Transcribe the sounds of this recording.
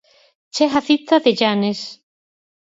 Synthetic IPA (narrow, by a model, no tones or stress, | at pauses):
t͡ʃeɦaθit̪aðeʎanes